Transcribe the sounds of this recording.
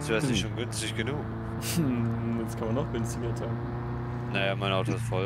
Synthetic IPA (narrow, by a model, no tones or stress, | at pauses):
sd̥vɛɐsnɪçttʃoːnɡʏnstɪçɡ̥ənuːk | skʰanmanːɔχɡ̥ʏnstɪɡɐtʰaːn | najaːmaɪnaʊtoɪstfɔl